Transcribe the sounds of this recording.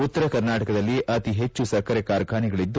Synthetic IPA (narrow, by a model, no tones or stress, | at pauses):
ut̪ːɐɾɐkɐɾnaːʈɐkɐd̪ɐlːiʔɐt̪iɦe̞t͡ʃːusɐkːɐɾekaːɾkʰaːniɡɐɭid̪ːu